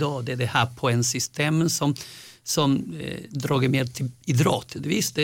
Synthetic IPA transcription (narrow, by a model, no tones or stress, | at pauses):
d̪ɑːd̪ɛɛd̪ɛhæːɾpʰɔɛnsʏst̪ʰeːmsɔmsɔmd̪ɾɑːɡəmeːd̪t̪ʰɪɪd̪ɾɑ̰ːt̪ʰəd̪ɛvɪst̪ɛ